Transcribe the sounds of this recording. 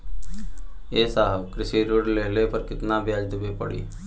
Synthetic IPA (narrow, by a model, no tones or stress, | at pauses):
eːsaɦəʋkɾɪsiːɾuɽleːlepɐɾkɪt̪nabjaːd͡ʒd̪ɪbepɐɽḭː